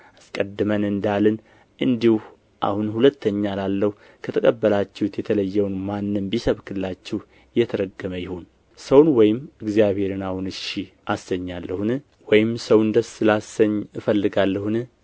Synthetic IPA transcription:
askʼəd̪ːɨmənɨnd̪alɨn | ʔɨnd̪ih | ʔa̰hunhulət̪ʰːəɲːalalːəhu | kʰət̪ʰəkʼəbːəlat͡ʃːɛhut̪jɛt̪ʰələjːɛwnmanːɨmbisəβkʰɨllat͡ʃːɛh | jɛt̪ʰəɾəɡːəməjɪhon | səwnwɔjɪmɨɡzijaβhe̞ɾɨnahunɨʃi | ʔasːəɲːalːəhunɨ | wɔjɪmsəwnd̪əsɨlasəɲːɨfəlːɨɡalːəhunɨ

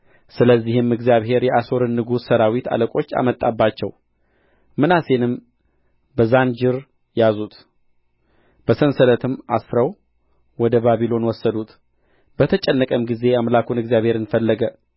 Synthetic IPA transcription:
sɨləzːihɨmɨɡzijaβhe̞ɾjɛʔaso̞ɾɨnːɨɡussəɾawit̪ʰa̰ləkʼo̞t͡ʃːa̰mət̪ʼːa̰bːat͡ʃːɛw | mɨnase̞nɨm | bəzand͡ʒɪɾ | jazut̪ | b̥əsənsələt̪ʰɨmasɾəw | wɔd̪əbaβilo̞nwɔsːəd̪ut̪ | b̥ət̪ʰət͡ʃʼɛnːəkʼəmɡize̞amlakʰunɨɡzijaβhe̞ɾɨnfəlːəɡə

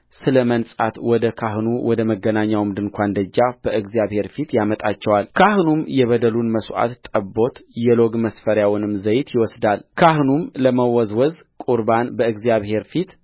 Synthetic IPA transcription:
sɨləmənsʼa̰t̪wɔd̪əkʰahnuwɔd̪əməɡːənaɲːawmd̪ɨŋkʷʰand̪əd͡ʒːab̥əɨɡzijaβhe̞ɾfit̪jamət̪ʼat͡ʃːɛwalkʰahnumjɛβəd̪əlunməsʔa̰t̪t̪ʼəbo̞t̪jɛlo̞ɡməsfəɾjawnɨmzəjt̪ʰjɪwɔsd̪alkʰahnumləməwɔzwɔzkʼuɾbanbəɨɡzijaβhe̞ɾfit̪

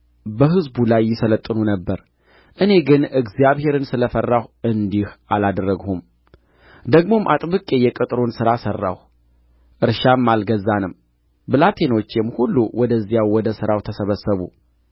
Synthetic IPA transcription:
bəɦɨzbulajːɪsələt̪ʼːɨnunəbːəɾ | ʔɨne̞ɡɨnɨɡzijaβhe̞ɾɨnsɨləfərːahʔɨnd̪ihʔalad̪rəɡhum | d̪əɡmo̞mʔa̰t̪ʼβɨkʼe̞jɛkʼɨt̪ʼɾonsɨɾasərːa̰h | ʔɨɾʃamːalɡəzːanɨm | bɨlat̪ʰe̞no̞t͡ʃːɛmhulːuwɔd̪əzːjawwɔd̪əsɨɾawt̪ʰəsəβəsːəβu

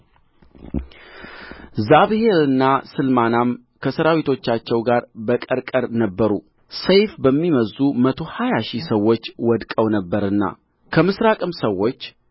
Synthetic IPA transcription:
zaβɨheɾɨnːasɨlmanam | kʰəsəɾawit̪ʰo̞t͡ʃːat͡ʃːɛwɡaɾbəkʼəɾkʼəɾnəbːəɾu | səjfbəmːiməzːumət̪ʰo̞hajaʃisəwːo̞t͡ʃːwɔd̪kʼəwnəbːəɾɨnːa̰ | kʰəmɨsɾakʼɨmsəwːo̞t͡ʃː

